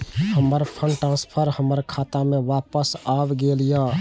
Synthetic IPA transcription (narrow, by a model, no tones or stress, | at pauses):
həməɾpʰənʈɾãːspʰəɾhəməɾkʰaːt̪amẽʋaːpəsaːbɡelja